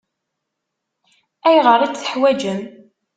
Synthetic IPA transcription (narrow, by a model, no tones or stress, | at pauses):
æjʁəɾˤit͡sːθə̥ħwæd͡ʒəm